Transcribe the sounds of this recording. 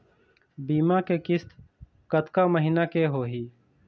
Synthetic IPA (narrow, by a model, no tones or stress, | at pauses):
biːmakekɪst̪ | kət̪kaməɦinakeɦoːɦiː